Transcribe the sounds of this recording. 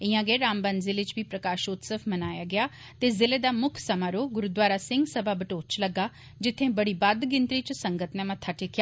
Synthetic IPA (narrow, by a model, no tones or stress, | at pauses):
ɪjãːɡeːɾaːmbənd̪zɪlet͡ʃbʱiːpɾəkaːʃoːt̪səfʰmənaːjaːɡɪjaː | t̪eːzɪled̪aːmʊkʰsəmaːɾoːɡʊɾud̪ʋaːɾaːsɪ̃ŋɡsəbʱaːbəʈoːt͡ʃləɡːaː | d͡ʒɪt̪ʰːẽbəɽiːbad̪ɡɪnt̪ɾit͡ʃsəŋɡət̪nɛ̃mãt̪ʰːaʈʰekʰjaː